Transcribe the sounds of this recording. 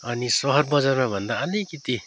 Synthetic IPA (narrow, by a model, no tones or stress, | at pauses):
ʌnisɔɦʌɾ̚bʌd͡zaɾmẽbʱʌnd̪aːlikit̪i